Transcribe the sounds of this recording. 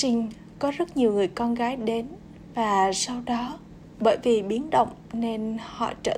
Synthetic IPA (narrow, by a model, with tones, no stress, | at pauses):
t͡ɕï˧ŋ̟ | kɔ˨˦zə˦˥t̚ɲi˨˩əwŋɨ˨˩əjkɔ˧nɣaː˨˦jɗe˨˦n | vaː˨˩sa˧wɗɔ˨˦ | ɓəː˧˨jvi˨˩ɓi˨˦ənɗə̰˧˨wŋ͡mne˧nhɔ̰˧˨t͡ɕə̰ː˧˩